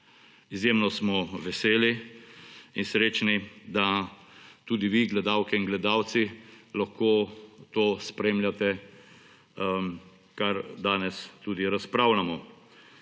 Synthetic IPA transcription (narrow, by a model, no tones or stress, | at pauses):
izjeːmnɔsmɔʋɛseːli | insɾeːt͡ʃnid̪a | t̪ud̪iʋiɡlɛd̪awkɛinɡlɛd̪aːwt̪silaxkoːt̪oːspɾeːmljat̪ɛ | kaɾd̪aːnɛst̪uːd̪iɾaspɾawlamɔ